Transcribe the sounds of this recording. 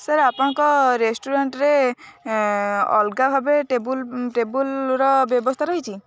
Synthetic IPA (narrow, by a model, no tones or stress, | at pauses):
səɾapŋkɔɾesʈuɾaɳʈɾe | ɔ̰lɡabʱabeʈebulʈebulɾɔbjɔbɔst̪ʰaɾɔɦit͡ʃʰi